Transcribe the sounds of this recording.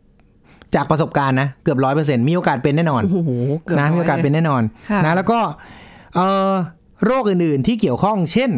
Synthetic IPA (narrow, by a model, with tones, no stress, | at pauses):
t͡ɕaː˨˩k̚pɾa˧so˨˩p̚kaː˧nːa˦˥kɯ˨˩əp̚ɾɔː˦˥jpɤː˧s̬e˧nmiː˧ʔoː˧kaː˨˩t̪̚pe˧nːɛː˥˩nɔː˧nna˦˥mi˧o˧a˨˩pe˧nːɛː˥˩nɔː˧nna˦˥lɛː˦˥wkɔː˥˩ʔɤː˨˩ | ɾoː˥˩k̚ʔɯː˨˩nʔɯː˨˩nt̪ʰiː˥˩ki˨˩əwkʰɔ˥˩ŋt͡ɕʰe˥˩n